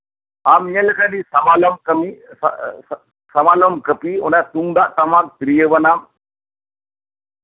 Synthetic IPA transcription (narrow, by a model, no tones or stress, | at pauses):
aːmɲɐlkaɖisɐmaːlɐmkɐmi | sɐmaːlɐmkəpio̰nɖat̪uŋd̪aʔt̪ɐmak̚t̪ɾijəʋɐnam